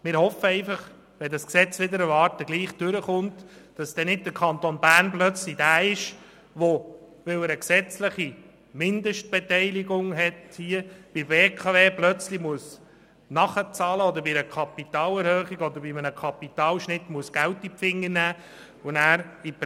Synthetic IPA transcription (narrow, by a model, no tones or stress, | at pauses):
mɪːɾhɔfːəɛɪfɑχ | ʋɛdɑsksɛt͡sʋɪd̪əɾəvɑːrtəɡ̥liːχd̥ʏɾəχʊntd̥ɑsd̥ɛnɪd̚dəɾkʰɑnt̪onbæːrnplœt͡slid̥æːɪʃ | ʋo | ʋɪlwəɾəksɛt͡slɪχi | mɪndəʃt̚b̥ɛtɛɪliɡʊŋɦɛthiəb̥iveːkʰɑveːplœt͡slimuəs | nɑχət͡sɑːləɔd̪əɾbiɾəkʰɑpit̪ɑːlɛɾhøːχiɡɔd̪əɾbimənəkʰɑpitɑːlʃnɪtmuəsɡ̥æltipfɪŋːənæː | ʋonæːɾip